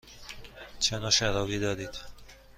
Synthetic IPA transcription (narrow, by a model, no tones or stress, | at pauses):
t͡ʃʰenɒːʃæɾɒːɣiːd̪ɒːd̪iːd̪̥